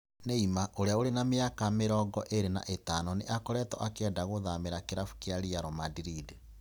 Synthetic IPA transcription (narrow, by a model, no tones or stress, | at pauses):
neimaʔoɾeaoɾenameakameɾɔːɡɔʔeɾena̰ʔetaːnɔneʔakɔɾɛtɔʔakɛndaɣoðameɾakeɾafu̥keaɾiaɾɔmadiɾid